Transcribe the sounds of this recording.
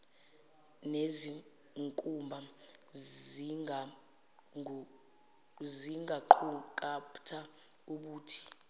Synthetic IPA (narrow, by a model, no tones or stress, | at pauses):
nezi | ŋkʼumbʱa | ziŋɡʱaǃʰukʼaptʰa | uɓuːtʰi̥